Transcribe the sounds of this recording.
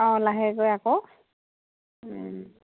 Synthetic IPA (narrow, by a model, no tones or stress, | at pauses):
ɔ̃laɦɛɡojakɔ